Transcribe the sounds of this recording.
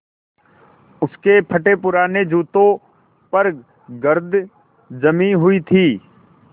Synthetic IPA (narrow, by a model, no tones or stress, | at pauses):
ʊskepʰɐʈepʊɾaːned͡ʒuːt̪õ | pɐɾ | ɡəɾd̪ʱ | d͡ʒɐmiɦʊit̪ʰiː